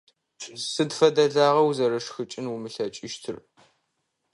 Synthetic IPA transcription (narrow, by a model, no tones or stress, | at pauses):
sɨdfɐdɐɮaːʁɐwzɐɾɐʂxɨt͡ʃʼɪnwumɨɬɐt͡ʃʼɪʃtʰɨr